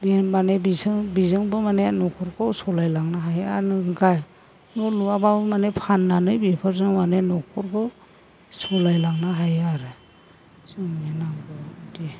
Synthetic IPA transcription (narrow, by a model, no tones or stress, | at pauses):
bemanebizɯŋbizɯŋbɯmanenɔkʰɔɾkʰɔwsɔlajlaŋnaɦaja̰nɯɡaj | nɔluabamanepʰanːanɯjbipʰɯɾzɯŋmanenɔkʰɔɾkʰɔw | sɔlajlaŋnaɦajaɾɯ | sɯŋenaŋɡɔdi